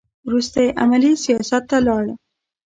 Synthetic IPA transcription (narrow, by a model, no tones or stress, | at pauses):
wɾust̪ajeʔa̰malisijɑsat̪ːalɑɽə